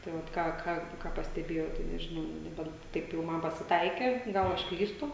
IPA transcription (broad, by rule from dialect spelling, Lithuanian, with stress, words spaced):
tɐɪ ˈʋɐt ˈkɑː ˈkɐ ˈkɑː pɐsʲtʲɛˈbʲeːjɛʊ tɐɪ nʲɛʒʲɪˈnɐʊ nʊ nʲɛˈbʲɛnt ˈtɐɪp jɛʊ ˈmɐn pɐsʲɪˈtɐɪkʲeː ˈɡɐlˠ ɐʃ ˈklʲiːstʊ